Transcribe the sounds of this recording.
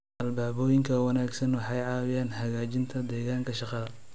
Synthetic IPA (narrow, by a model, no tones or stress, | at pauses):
ʔɐlbaːβɔːjɪŋkʰɐwɑnaːɡsɐnwɑħɑjʕɑːwɪjaːnhɐɣaːt͡ʃɪnt̪ʰɐd̪ɛːɣaːŋkʰɐʃɑqɑðɐ